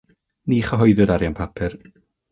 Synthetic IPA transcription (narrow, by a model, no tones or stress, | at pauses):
niːχəɦɔjðɨdaɾjanpʰapʰɪr